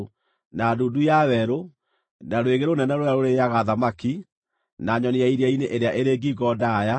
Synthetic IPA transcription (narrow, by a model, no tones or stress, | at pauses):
nadoːdujawɛɾo | naɾoeɣeɾonɛnaɾojaɾoɾeaɣaðamaki | naɲɔneaiɾeaineʔeɾeaʔeɾeːɡiɡɔdaja